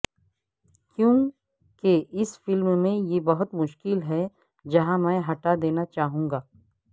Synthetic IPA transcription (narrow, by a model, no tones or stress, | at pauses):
kjõː | keʔɪsfɪlmmẽjebɐɦʊt̪mʊʃkɪlɦɛ | d͡ʒɐɦãmɛ̃ːɦɐʈad̪eːnat͡ʃaːɦũːŋɡaː